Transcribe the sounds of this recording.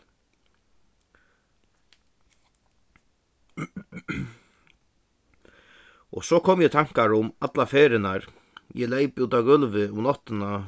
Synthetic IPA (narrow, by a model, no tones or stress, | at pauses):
ɔ̰ɣsɔkʰɔmjɛt̪ʰaŋ̥kaɾʊmat̪lafeːɾɪnaɾ | jɛlejpuːt̪aɡœlʋɪʊmnɔht̪ɪna